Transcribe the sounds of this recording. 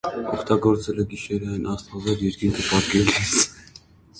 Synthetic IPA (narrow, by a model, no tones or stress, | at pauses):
ɔkʰt̪ɑɡɔɾt͡sɛləɡiʃɛɾɑjnʔɑst̪ɑvɛɾjɛɾkinkʰəpɑkɛlis